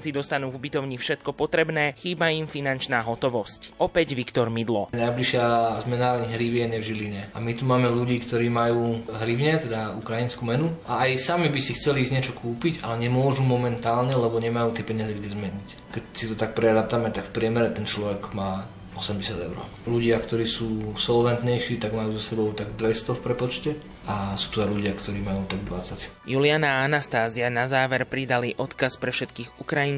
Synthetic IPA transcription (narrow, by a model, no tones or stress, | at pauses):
nt͡sid̪ɔst̪anuːvubit̪ɔʊɲifʃɛt̪kɔpɔt̪ɾɛbnɛːxiːbaimfinant͡ʃnaːɦɔt̪ɔʋɔscʔɔpɛɟʋikt̪ɔɾmid̪lɔnajbliʃɪazmɛnaːɾaɲɦɾiʋɪɛɲɛvʒiliɲɛa̰mit̪umaːmɛluɟiːkt̪ɔɾiːmajuːɦɾiʊɲɛt̪ɛd̪aukɾainskumɛnuaajsamibisixt͡sɛlizɲɪɛt͡ʃɔkuːpica̰lɛɲɛmʊɔʒumɔmɛnt̪aːlɲɛlɛbɔɲɛmajuːt̪ɪɛpɛɲɪazɛɡɟɛzmɛɲic | kɛcsit̪ɔt̪ak̚pɾɛɾat̪amɛt̪akfpɾɪɛmɛɾɛt̪ɛnt͡ʃlɔʋɛɡmaː | ɔsɛmɟɛsɪad̪ɛ̰ʊɾɔ̰ | luɟɪakt̪ɔɾiːsuːsɔlʋɛnt̪ɲɛjʃiːt̪aɡmajuːzasɛbɔʊt̪aɡd̪ʋɛst̪ɔfpɾɛpɔt͡ʃcɛ | ʔasu̥ːt̪uaɪluɟɪakt̪ɔɾiːmajuːt̪aɡd̪ʋat͡sacjulɪanaanast̪aːzianazaːʋɛɾpɾid̪aliʔɔt̪kaspɾɛfʃɛt̪kiːɣukɾajin